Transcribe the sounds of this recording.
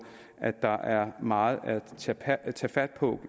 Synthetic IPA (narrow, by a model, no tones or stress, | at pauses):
ʔæd̥ɑ̈ʔæɐmɑ̈ːð̞̩ˠæt͡sʰt͡sʰɛːfæd̥̚pʰɔ